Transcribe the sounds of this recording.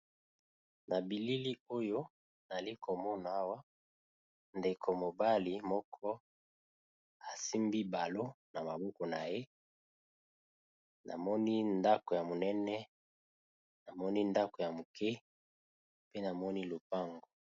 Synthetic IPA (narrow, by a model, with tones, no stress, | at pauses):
na˨bi˨li˦li˦o˦jo˦ | na˨li˦kʰo˨mɔ˦na˨a˦wa˦ | nde˨kʰo˨mo˨ba˦li˨mɔ˦kʰɔ˦ | a˨si˦mbi˦ba˨lo˦ | na˨ma˨bɔ˦kɔ˨na˨je˦ | na̰˨mɔ˦ni˦nda˦ko˨ja˨mo˨nɛ˦nɛ˦ | na˨mɔ˦ni˦nda˦ko˨ja˨mo˨kɛ˦ | pe˦na˨mɔ˦ni˦lo˨pa˦ŋɡo˨